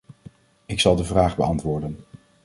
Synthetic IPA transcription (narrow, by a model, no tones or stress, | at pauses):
ɪksɑlˠdəvraːχbə̰ɑntʋʊːɹdən